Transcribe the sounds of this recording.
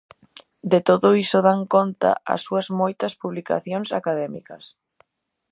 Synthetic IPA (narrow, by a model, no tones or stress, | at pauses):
d̪et̪oðʊisʊðaŋkont̪ɐ̰ɐ̰sːuɐzmojt̪ɐspuβlika̰θjoŋsakaðɛmḭkɐ̰s